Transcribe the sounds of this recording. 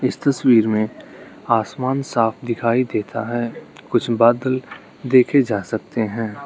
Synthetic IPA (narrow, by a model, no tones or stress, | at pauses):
ɪst̪ɐswiːɾmẽ | aːsmaːnsaːfʰd̪ɪkʰaːid̪eːt̪aɦɛkʊt͡ʃʰbaːd̪əl | d̪eːkʰed͡ʒaːsɐk̚t̪eɦɛ̃ː